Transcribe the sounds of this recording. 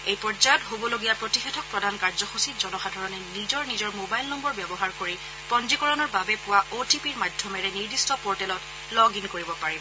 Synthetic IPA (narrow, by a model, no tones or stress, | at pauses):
ejpɔzajɔtɦobɔloɡijapɹotixetʰɔk̚pɹɔdʱankaɹzɔxusitzɔnɔxadʱɔɹɔnɛnizɔɹnizɔɹmobajlnɔmbɔɹbjɛbɔɦaɹkoɹi | pɔnd͡ʒikɔɹɔnɔɹbabɛpʊwaotipiɹmadʱjɔmɛɹɛniɹdistɔpɔɹtɛlɔt | lɔɡinkoɹibɔpaɹibɔ